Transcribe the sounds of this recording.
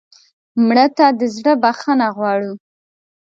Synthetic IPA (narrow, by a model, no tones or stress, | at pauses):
mɽət̪ad̪əzɽəbaxanaɣwɑɽu